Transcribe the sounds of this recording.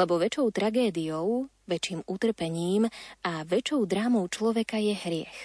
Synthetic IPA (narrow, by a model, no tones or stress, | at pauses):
ɛbɔʋɛt͡ʃɔʊt̪ɾaɡɛːd̪ijɔʊ | ʋɛt͡ʃiːmut̪r̩pɛɲiːmaʋɛt͡ʃɔʊd̪ɾaːmɔʊt͡ʃlɔʋɛkajɛɦɾɪɛ̰x